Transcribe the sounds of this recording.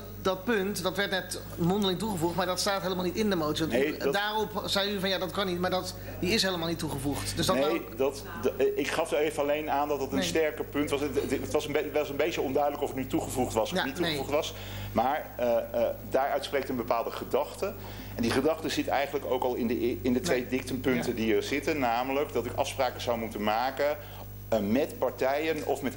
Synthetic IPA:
dɑt̚pɵntdɑtʋɛɹtnɛt | mɔndəlɪŋtuχəvuχtmaːɹdɑtstaːtɦejləmaːlˠnitɪndəmowtsiɔntdaːrɔpz̥ɛjyvɑnjaːdɑtkɑnːitmaːɹdɑt | diɪsɦejləmaːlˠnitːuχəvuχtdøsdɑnedt | ɪkχɑfəevəɑlejnaːndɑtdɑtənnsstɛɹkəpɵntʋɑətʋɑsəneʋɛsənbejt͡ʃəɔndœɥdələkɔfətnytuχəvuχtʋɑsanitːuevuχtʋɑs | maːɹ | daːɹœɥtsprejktənbəpaːlˠdəχədɑχtə | ɛndiχədɑχtəzɪtɛ̰jχənləkowkɑlˠɪndəɪndətʋejdɪk̚tənpɵntədiəɹz̥ɪtənːaːmələkdɑtɪkɑ̰fspraːkəz̥ɑwmutənmaːkə | mɛtpɑɹtɛjənɔ̰fmɛt

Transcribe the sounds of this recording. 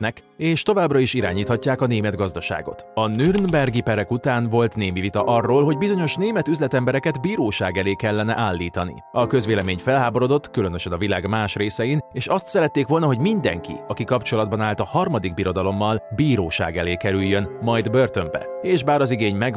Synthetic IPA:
nɛk | eːʃt̪o̞vaːbrɒiʃiɾa̰ːɲiːt̪hɒcːaːkɒneːmɛd̪ɡɒzd̪ɒʃa̰ːɡo̞̰t̪ɒnyrnbɛrɡipɛɾɛkut̪aːnvo̞lt̪neːmivit̪ɒʔɒrːoːlɦo̞ɟbizo̞ɲo̞ʃneːmɛt̪yzlɛt̪ɛmbɛɾɛkɛd̪biːɾoːʃaːɡɛleːkɛlːɛnɛ̰ʔaːlːiːt̪ɒnḭɒkø̞zʋeːlɛmeːɲfɛlɦaːbo̞ɾo̞d̪o̞t̪ːkylø̞nø̞ʃɛnɒvilaːɡmaːʃreːsɛjineːʃɒst̪sɛɾɛt̪ːeːkʋo̞lnɒɦo̞ɟmind̪ɛ̰ŋkḭɒkikɒpt͡ʃo̞lɒd̪̚bɒnaːlt̪ɒhɒrmɒd̪iɡ̚biɾo̞d̪ɒlo̞mːɒlbiːɾoːʃa̰ːɡɛleːkɛɾyjːønmɒjd̪bø̞rt̪ombɛ̰eːʒbaːɾɒziɡeːɲmɛɡ

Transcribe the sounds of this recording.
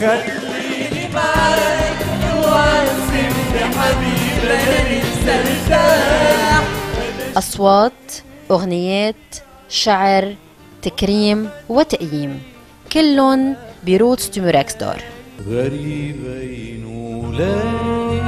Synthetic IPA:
ʔɑsˤwɑːt̪ | ʔʊɣnɪjeːt̪ | ʃaʕɾ | t̪akɾiːmwɪt̪aʔjiːm | kɪlːʊnbiɾuːt̪st̪umuɾaksd̪o̰ːɾɣaɾibajnula

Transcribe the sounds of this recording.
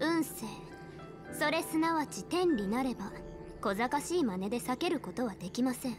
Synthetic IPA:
ɯ̟̃ɰ̃se̞ː | so̞ɾe̞sɨnaβat͡ɕit̪ẽ̞nɾʲinaɾe̞ba | ko̞zakaɕiːmane̞d̪e̞sake̞ɾɯ̟ko̞t̪o̞β̞ad̪e̞kʲimasẽ̞ɴ

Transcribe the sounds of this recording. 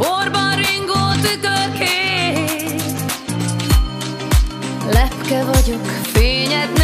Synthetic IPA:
orbɒɾiŋɡoːt̪ykøkeː | lɛpkɛvɒɟokfeːɲɛd̪n

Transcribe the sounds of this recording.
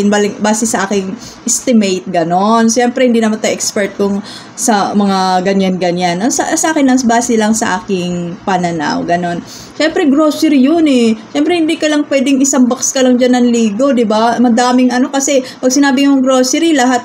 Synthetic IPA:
ɪnbalɪŋbaːsɛsɐʔaːkɪŋ | ʔɪst̪ɪmɛjt̪̚ɡɐno̞nʃɛmpɾɛhɪnd̪iːnɐmant̪ɐjʔɛkspɛɹt̪̚kʊŋ | sɐmɐŋaɡɐɲanɡɐɲanɐnsɐ̰sɐʔaːkɪnlɐnsbaːsɛlɐŋsɐʔaːkɪŋpɐnɐna̰wɡɐno̞n | ʃɛmpɾɛɡɾoːsɛɾijonɛʃɛmpɾɛhɪnd̪iːkɐlɐŋpwɛːd̪ɪŋɪsɐŋbɐkskɐlɐŋd͡ʒɐnːɐŋliːɡo̞d̪ɪbamɐd̪aːmɪŋʔɐno̞kɐsɛpɐɡ̚sɪnaːbɪŋmʊŋɡɾoːsɛɾilɐɦat̪̚

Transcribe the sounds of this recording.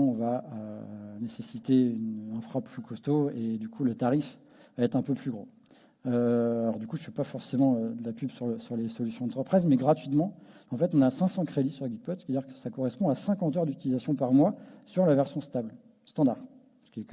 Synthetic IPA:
vaønesesit̪eynɛ̃fχapːlykʰɔst̪oed̪ykʰulət̪aʁif | vaɛt̪χɛ̃pøplyɡʁo̰ | øalɔʁd̪ykuʒəfɥiɛpafɔʁsemɑ̃ød̪əlapybsyʁsyʁlesɔlysjɔ̃ɑ̃t̪χəpχizmɛɡʁat̪ɥit̪mɑ̃ɑ̃fɛt̪ɔ̃nasɛ̃sɑ̃kχed̪isyʁlɡʲiɡ̪̚pɔd̪sɛ̥t̪ad̪iʁkə̥sakɔʁɛspɔ̃asɛ̃kɑ̃t̪œʁd̪yt̪ilizasjɔ̃paʁmwasyʁlavɛʁsjɔ̃st̪abl | st̪ɑ̃d̪aʁ | sə̥kʲiɛk

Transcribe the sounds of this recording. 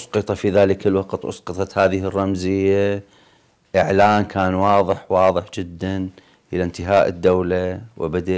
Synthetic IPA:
ʔʊsˤqɨt̪ˤɑfiðaːləkalwɑqt̪ʔʊ̰sˤqɨt̪ˤɑt̪haːðɪɦɪrˤːɑmzɪjːa | ʔɪʕlaːnkʰaːnwɑːðˤɨħwɑːðˤɨħd͡ʒɪd̪ːan | ʔɪlant̪ɪɦaːʔəd̪ːawlawʔɪ̰bad̪a

